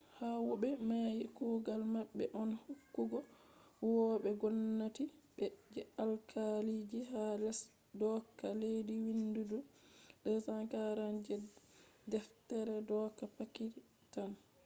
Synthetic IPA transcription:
hawɔɓɛmajikuːɡalmaɓːɛʔɔnhukːuɡɔwɔɓɛɡɔnːatiɓɛd͡ʒɛalkʰalid͡ʒiɦalɛs | dɔkːalediwinduduɗɛsakaɾand͡ʒɛdɛftɛɾɛdɔkapaki | tan

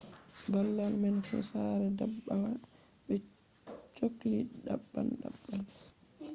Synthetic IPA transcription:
balːalmɛnfɛ̰saɾɛdabːawa | ɓɛ | t͡ʃokliɗabːa̰nɗa̰bːan

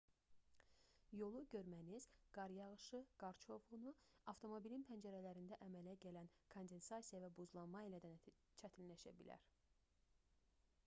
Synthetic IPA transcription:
jo̞lˠuɟø̞ɾmæniz̥ɡ̥ɑɾjɑʁɯʃɯɡ̥ɑɾt͡ʃʰo̞vʁunuɑft̪ʰo̞mo̞bilinpʰænd͡ʒæɾælæɾind̪æʔæmælæɟælænkʰo̞nd̪e̞nsɑsijɑvæbuzlˠɑnmɑilæd̪æn | t͡ʃʰæt̪ʰinlæʃæ̰bilæ̰ɾ

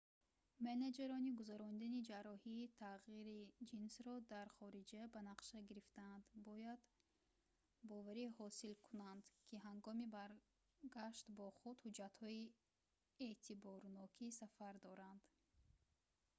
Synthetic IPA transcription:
mened͡ʒeɾɔniɡuzaɾɔnid̪anid͡ʒaɾɔhiːt̪ʰaʁiɾid͡ʒinsɾɔd̪aɾχɔɾid͡ʒabanaqʃaɡiɾift̪aːnd̪bɔjad̪ | bɔvaɾihɔsilkʰunand̪kʰiɦaŋɡɔmibaɾ | ɡaʃt̪bɔχud̪hud͡ʒat̪hɔi | eʔt̪ʰibɔɾnɔkʰisafaɾd̪ɔɾand̪

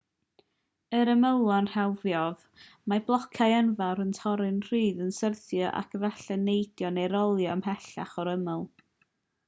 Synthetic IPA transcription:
əɾəməwlˠanr̥ɛlˠvjɔð | mablˠɔkʰajanvaɾəntʰɔɾɨnr̥iːðənsərθjɔʔa̰kʰəvaɬɛnejdjɔneɾɔlˠjɔamhɛɬaχɔɾəməlˠ

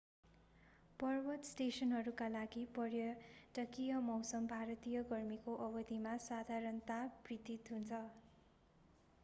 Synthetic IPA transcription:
pʌrbʌt̪sʈesʌnɦʌɾukalaɡipʌɾjʌʈʌkijʌmʌwsʌmbʱaɾʌt̪ijʌɡʌrmikoʔʌbʌd̪ʱimasad̪ʱaɾʌnt̪abrid̪it̪ɦunt͡sʰʌ

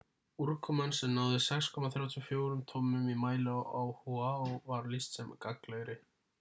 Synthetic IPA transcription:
uɾkʰɔmansɛmnaːwðɪsɛkskʰɔmaθɾjaːwt̪ʰjʏfjoːwɾʏmt̪ʰɔːmʏmimaːjlʏawhuaɔwvaɾlist̪sɛmkaklœɥɾɪ

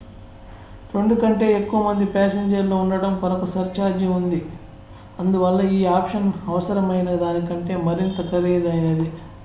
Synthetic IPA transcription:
ɾe̞ɳɖukɐɳʈe̞ːekːuʋɐmɐnd̪ipaːseːɲd͡ʒɐɾloːuɳɖɐɽɐmkɐɾɐkɐsɐɾt͡ʃaːɾd͡ʒiund̪i | ɐnd̪uʋɐlːɐiːaːpʂɐnɐʋɐsɐɾɐmɐjnɐd̪aːnikɐɳʈe̞ːmɐɾint̪ɐkɐʋeːjd̪ɐjneːd̪i

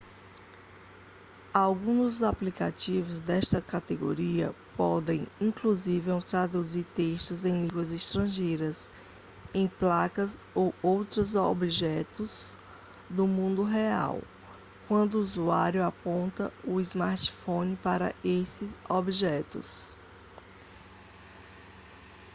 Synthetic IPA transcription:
awɡũd̪ʊzaplikat͡ʃivʊzd̪ɛʃt̪ɐkat̪eɡo̰ɾiɐ̰pɔd̪ẽj̃ĩkluzivẽw̃t̪ɾad̪uziɾt̪eʃt̪ʊzẽj̃lĩɡwɐziʃt̪ɾɐ̃ʒejɾɐs | ẽj̃plakɐz | owowt̪ɾɐzobiʒɛt̪ʊz | d̪ʊmũnd̪ʊɦea̰w | kwɐ̃nd̪ʊuːuzuaɾjʊapõnt̪ɐʊizmaɾt͡ʃi̥fõnipaɾɐ̰ʔesɪzobiʒɛt̪ʊ̰s

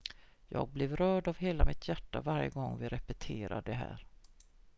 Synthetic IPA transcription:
jɑːɡ̚blɪvɾœːɖavɦeːlamɪt̪ʰjæʈːavaɾjə̰ɡɔŋːvɪɾɛpɛt̪ʰeːɾa̰ɖɛɦæ̰ːɾ

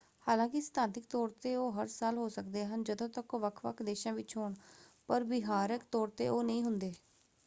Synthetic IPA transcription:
haːlãːkɪst̪ʰãːt̪ɪkt̪ɔːɾt̪eːoːɦəɾsaːlɦoːsəkd̪eːɦənd͡ʒəd̪õːt̪əkoːʋəkʰʋə̰kʰd̪eːʃãːʋɪt͡ʃɦoːɳpəɾbɪɦaːɾəkt̪ɔːɾt̪eːʔoːnəĩːɦʊnd̪eː

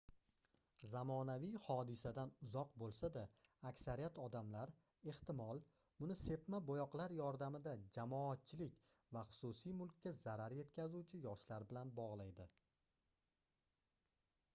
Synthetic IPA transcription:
zamɒnavijhɒd̪ɪsad̪anʊzɒqbolˠsad̪aːkʲsaɾijat̪ʰɒd̪amlaɾ | e̞ht̪ɪmɒlˠ | bʊnɪse̞pmabojɒqlˠaɾjɒɾd̪amɪd̪ad͡ʒamɒat̪̚t͡ʃʰɪlɪkʲ | vaχʊ̥susijmʊlˠkʲːazaɾaɾje̞t̪kʲʰazuwt͡ʃʰɪjɒʃlaɾbɪlanbɒʁlˠajd̪ɪ

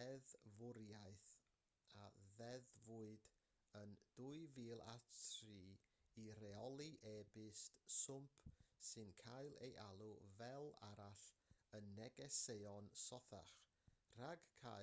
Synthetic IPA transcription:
ɛðvʊɾjaɨθ | aðɛðvuɨd | ənd̥uɨviːlˠa̰tʰriːiɾɛɔlˠiʔɛbɪstsʊmpʰsɨnkʰajlˠḛjʔalˠuvɛlˠaɾaɬənːɛɡɛseɔnsɔθa̰χ | r̥aɡkʰa̰

